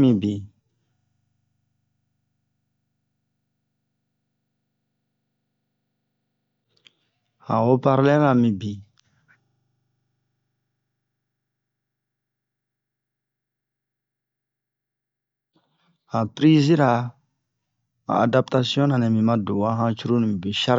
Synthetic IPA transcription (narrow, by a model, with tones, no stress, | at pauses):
mĩ˨bi˨ | hã̰˨wo˦pa˦ɾlɛ˦la˨mĩ˨bi˨ | hã˨pɾi˦zi˦ɾa˨ | a̰˨a˨da˦pt̪a˧sjɔ̃˦nã˨nɛ̃˨mĩ˨mã˦do˨wa˦ɦã˦t͡ʃu˦ɾu˦nĩ˨mi˨bi˨ʃa˦ɾ